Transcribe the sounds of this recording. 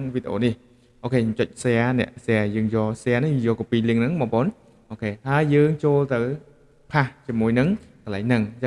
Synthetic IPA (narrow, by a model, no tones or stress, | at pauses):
ŋʋiːt̪d̪eʔoːnih | ʔoːkʰeːt͡ɕʊc̚seanɛ̰̆əʔsɛajəːŋjɔːsɛaːnijɔːkopiːliəŋnɨŋmɔːpoːn | ʔoːkʰeːhaəjːəːŋt͡ɕoːlt̪ɨw | pʰaht͡ɕiəmuəjnɨŋkəlaɛŋnɨŋt͡ɕə